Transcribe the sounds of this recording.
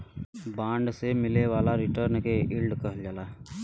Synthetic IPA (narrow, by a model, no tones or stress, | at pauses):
bãːɳɖsemɪleʋaːlaɾɪʈəɾnkeɪlɖkəɦəld͡ʒaːlaː